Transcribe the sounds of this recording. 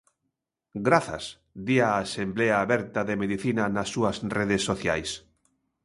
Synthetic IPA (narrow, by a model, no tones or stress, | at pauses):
ɡɾaθa̰s | d̪iaːsembleaːβɛɾt̪aðemeðiθinanasːuasreðesːoθjajs